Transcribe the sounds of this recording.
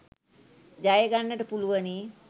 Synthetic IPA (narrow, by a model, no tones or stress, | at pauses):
d͡ʒajəɡanːəʈəpuluʋəni